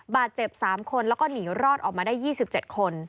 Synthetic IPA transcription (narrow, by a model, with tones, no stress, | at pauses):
baː˨˩t̪̚t͡ɕe˨˩p̚saː˨˩˦mkʰo˧nlɛː˦˥wkɔː˥˩niː˩˦wɾɔː˥˩t̪ʔɔː˨˩k̚maː˧daː˥˩jiː˥˩si˨˩p̚t͡ɕe˨˩t̪̚kʰo˧n